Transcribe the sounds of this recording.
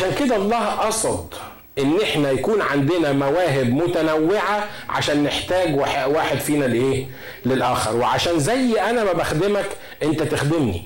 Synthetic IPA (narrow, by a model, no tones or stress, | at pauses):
aʃæːnked̪æʔɑlˤːɑːhʔɑsˤɑd̪ˤ | ʔenːʔeħnæjækuːnʕand̪ɪnæmæwæːɦɪbmʊt̪ænæwːeʕa | ʕa̰ʃæːnːeħt̪æːɡwħʔwaːħed̪fiːnælʔeː | lelʔæːxɑɾˤweʕaʃæːnzæjːʔænæmæbæxd̪emæk | ʔent̪æt̪exd̪emnḭ